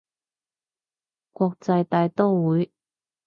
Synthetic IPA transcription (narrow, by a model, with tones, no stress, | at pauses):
kwɔː˧k̚t͡sɐ˧jt̪aː˧jt̪o˥wwuː˨˥j